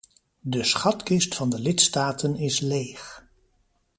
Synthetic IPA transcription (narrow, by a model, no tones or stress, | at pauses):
dəsχɑtkɪstfɑndəlɪtstaːtʰənɪslejχ